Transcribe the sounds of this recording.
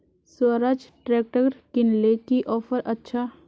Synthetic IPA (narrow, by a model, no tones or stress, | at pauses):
swəɾaːd͡ʒʈɾɛːk̚ʈəɾkɪnlekiʔɔːfəɾʔɐtːʃʰa